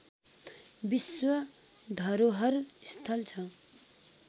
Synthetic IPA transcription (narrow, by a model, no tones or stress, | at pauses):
biswʌ | d̪ʱʌɾoɦʌɾst̪ʰʌlt͡sʰʌ̃